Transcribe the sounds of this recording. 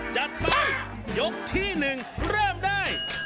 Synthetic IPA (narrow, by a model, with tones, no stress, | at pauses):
t͡ɕa˨˧˩t̪̚pa˧j | jo˦˥k̚t̪ʰiː˥˩nɯ˨ŋ | ɾɤː˥˩mdaː˥˩j